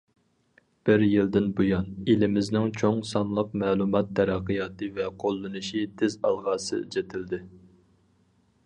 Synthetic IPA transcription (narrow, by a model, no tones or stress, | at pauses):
b̥ɪɾjild̪ɪnbujɑnelɪmɪznɪŋt͡ʃʰoŋsɑnlˠɑq̚mɛːlˠumɑt̪̚ːɛɾæqːɨjɑːt̪ʰɨvɛqʰolˠːɨnɨʃit̪ʰɪzɑ̰lˠʁɑːsɨ̰d͡ʒɛt̪ʰɪld̪ɪ